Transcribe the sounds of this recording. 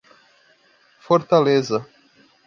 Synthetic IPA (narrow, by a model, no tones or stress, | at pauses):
foɾt̪alezɐ